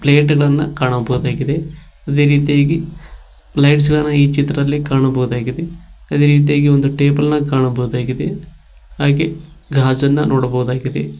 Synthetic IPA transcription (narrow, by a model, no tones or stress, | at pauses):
ple̞ːʈɡɐɭɐnːɐkaːɳɐbɐɦud̪aːɡid̪e | ɐd̪e̞ːɾiːt̪ijaːɡi | plɐjʈs̬ɡɐɭɐnːɐiːt͡ʃit̪ɾɐd̪ɐlːikaːɳɐbɐɦud̪aːɡid̪eɐd̪e̞ːɾiːt̪̬ijaːɡio̞nd̪uʈe̞ːbɐlnɐkaːɳɐbɐɣud̪aːɡid̪e̞ | haːɡe | ɡʱaːd͡ʒɐnːɐnʔoːɽɐbɐɦud̪aːɡid̪e